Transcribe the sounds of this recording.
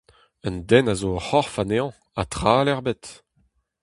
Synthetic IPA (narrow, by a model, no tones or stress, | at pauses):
œnd̪ɛnazohɔʁfaneɑ̃ | a̰t̪χaːlɛʁbet̪